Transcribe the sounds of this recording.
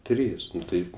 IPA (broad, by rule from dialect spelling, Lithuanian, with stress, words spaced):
ˈtʲrʲiːs ˈnʊ ˈtɐɪp